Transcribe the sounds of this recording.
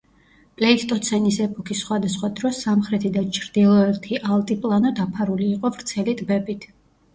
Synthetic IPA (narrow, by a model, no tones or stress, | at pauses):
pʼlɛit̪ʰt̪ʼɔt̪sʰɛnisɛpʼɔkʰisːχwad̪asχwad̪ɾɔsamχɾɛt̪ʰid̪at͡ʃʰɾd̪ilˠɔɛɾt̪ʰiʔalˠt̪ʼipʼlˠanɔd̪apʰaɾuliːqʼɔvɾt̪sʰɛlit̪ʼbɛpʼit̪ʰ